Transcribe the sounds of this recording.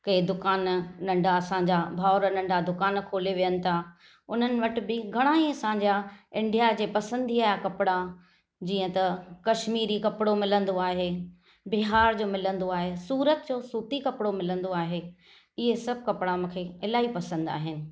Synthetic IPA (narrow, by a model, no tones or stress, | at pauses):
kɐid̪ʊkaːnnɐ̃ɳɖʱaɐsãɲ̆d͡ʑabʱaːɾənɐ̃ɳɖʱad̪ʊkaːnkʰoːleʋijənɪ̆t̪ʰa | ʊn̤ənɪ̆ʋɐʈɪ̆bɪɡʱɐɽ̃ãiɐsãɲd͡ʑaɪ̃ɳɖijad͡ʑeːpɐsə̃nd̪ʱiaːɦjakɐpɪɽa | d͡ʑiːə̃t̪ɐkɐʃmiːɾikɐpɪɽomɪlə̃nd̪oaːɦe | bɪɦaːɾd͡ʑoːmɪlə̃nd̪oaːɦesuːɾət̪d͡ʑoːsuːt̪ikɐpɪɽomɪlə̃nd̪oaːɦe | ɪɦesɐb̚ʱkɐpɽamũːkʰeɪlaːipɐsə̃nd̪a̰ːɦɪnɪ̆